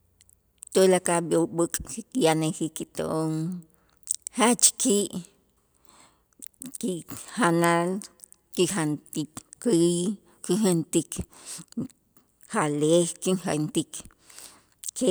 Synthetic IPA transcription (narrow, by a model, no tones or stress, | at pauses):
t̪olakaɓjoɓɨkʼkikijanexikːit̪o̰ʔoŋ | hat͡ʃkiʔ | kihanal | kixant̪ikkii | kixant̪ik | halexkiŋxant̪ik | ke